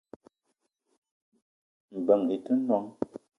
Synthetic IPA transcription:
m̩˨bə˨ŋi˨tə˦nwa˦ŋ

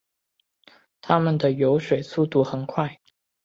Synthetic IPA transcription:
t̪ʰa˥mə˨nd̪ə˩jo˧˥ʊʂwe˨˩ɪsu˥˧t̪u˥˩xə˨˩nkʰwa˥˩ɪ

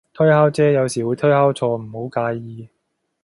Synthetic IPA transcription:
t̪ʰɵ˥ɥhaː˥wt͡sɛː˥jɐ˨˧wsiː˨˩wuː˨˧jt̪ʰɵ˥haː˥wt͡sʰɔː˧m̩˨˩ho˨˥wkaː˨˧˥jjiː˨˧

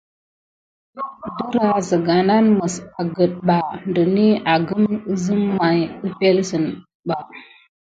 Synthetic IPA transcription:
də˦ɾa˦zə˨ɡa˨na˦nmə˨sa˨ɡə˨t̚ɓa˨ndə˨ni˦a˨ɡə˦mə˦zɨ˦mːa˨jɨ˦pe˦lsə˨n | ɓa˨

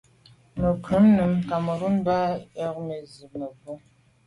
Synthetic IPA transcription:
mə˨kʉ˨˦mnə˨mka˨mə˨ɣə˦n˦ba˦jɛ˦kme˨zi˨mə˨və˦

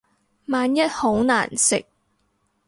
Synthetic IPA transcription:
maː˨˧njɐ˥t̚ho˨˥wna̰ː˨˩nsɪ̰˨k̚

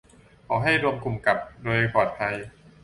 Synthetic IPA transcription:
kʰɔː˨˩˦ɦa˥˩jɾu˧əmku˨˩mka˨˩p̚doː˧jkʰɔː˨˩t̪̚t̪ʰa˧j

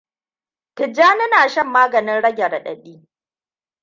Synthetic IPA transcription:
pɪ˨d͡ʒaː˦nɪ˦naː˨ʃɐ˦˨mːaː˦ɡɐ˨nɪ˦nɽɐ˦ɡʲɛ˨ɽɐ˨ɗɐ̰˨ɗiː˦

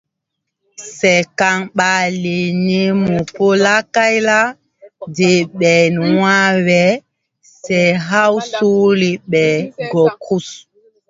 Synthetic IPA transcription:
sɛ˨ka˨ŋɓa˨li˨ni˦mu˨po˦la˦ka˦jla˦ | de˨ɓɛ˨nwa˦wɛ˨ | sɛ˨ɦa˦wsu˦li˦ɓɛ˨ɡɔ˨kʰu˦s

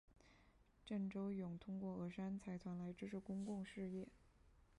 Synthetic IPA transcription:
ʈ͡ʂə˥˩ŋʈ͡ʂo˥ʊjʊ˨˩ŋt̪ʰʊ˥ŋkwɔ˥˩ɤ˧˥ʂa˥nt͡sʰa˧˥ɪt̪ʰwa˧˥nla˧˥ɪʈ͡ʂɻ̩˥ʂʰɻ̩˧˥kʊ˥ŋkʊ˥˧ŋʂɻ̩˥˧jɛ˥˩

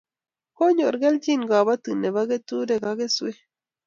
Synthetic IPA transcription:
ko˦ɲo˨ɾɡe˦lt͡ʃi˦˨ŋɡa˨βa˦t̪ɨ˨ne˨βa˦ɡe˦t̪u˦ɾe˨ɡa˧ɡe˦swe˦

